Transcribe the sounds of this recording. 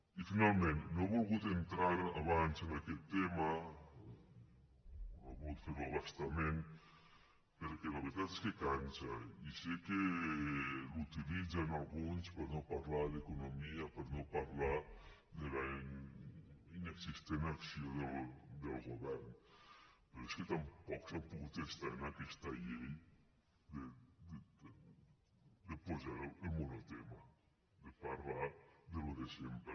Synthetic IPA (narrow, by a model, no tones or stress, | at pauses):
ifinalmẽnnoaβolɣut̪ent̪ɾaɾa̰βansenakɛt̪ːema | aβut̪feɾaβast̪amẽn | peɾkelaβeɾt̪at̪e̥skekant͡ʃaiseke | lut̪ilid͡zanalɣunspeɾnopaɾlaðekunomiapeɾnopaɾla | d̪ela | ineksist̪enaksjoðeld̪elɣoβɛɾn | peɾesket̪ampɔksampuɣut̪est̪anakest̪aʎej | d̪ed̪ | d̪epozaemonot̪ema | d̪epaɾlaɾd̪eloðesempe